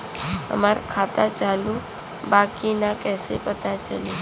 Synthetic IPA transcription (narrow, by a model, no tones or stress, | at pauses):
ə̰maɾkʰat̪at͡ʃalu | bakinakɛsepət̪at͡ʃəli